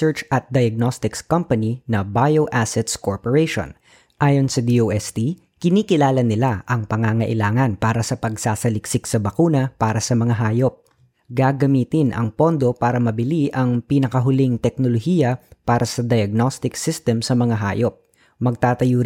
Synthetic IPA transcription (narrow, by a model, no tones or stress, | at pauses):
ɛɹt͡ʃɐt̪̚d̪ɐjɐɡ̚nost̪ɪkskɐmpɐninɐbajoʔasɛt̪skoɹpoɹɛjʃo̰n | ʔaːjo̞nsɐd̪iowʔɛst̪i | kɪniːkɪlaːlɐnɪlaʔɐŋpɐŋaːŋɐʔɪlaːŋɐnpaːɾɐsɐpɐɡ̚saːsɐlɪksɪksɐbɐkuːnɐpaːɾɐsɐmɐŋaɦaːjo̞p̚ | ɡaɡɐmiːt̪ɪnʔɐ̰ŋpo̞nd̪o̞paːɾɐmɐbɪliʔɐŋpinɐkɐɦʊlɪŋt̪ɛk̚nolohiːjɐpaːɾʔɐsɐd̪ɐjɐɡ̚nost̪ɪksɪst̪ɛmsɐmɐŋaɦa̰ːjop̚ | mɐɡ̚t̪aːt̪ɐjuːɾ